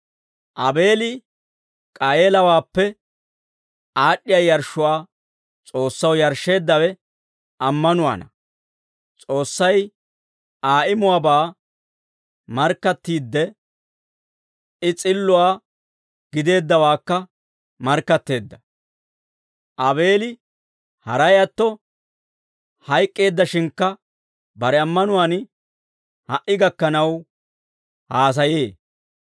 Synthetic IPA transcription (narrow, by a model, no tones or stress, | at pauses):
ʔɐbe̞ːlɪ | kʼɐeːlɐwaːpːɛ | ʔaːɗːɪjɐjɐɾʃʊwaː | t͡sʼo̞ːsːɐwjɐɾʃːe̞ːd̪ːɐwɛ | ʔɐmːɐnʊwa̰ːnɐ | t͡sʼo̞ːsːɐj | aːʔɪmʊwaːbaː | mɐɾkːɐt̪ːiːd̪ːɛ | ɪt͡sʼɪlːʊwaː | ɡ̥ɪd̪e̞ːd̪ːɐwaːkːɐ | mɐɾkːɐt̪ːe̞ːd̪ːɐ | ʔɐbe̞ːlɪ | hɐɾɐjɐt̪ːɔ | hɐjkʼːe̞ːd̪ːɐʃɪŋkːɐ | bɐɾɛɐmːɐnʊwan | hɐʔɪɡɐkːɐnɐw | haːs̬ɐje̞ː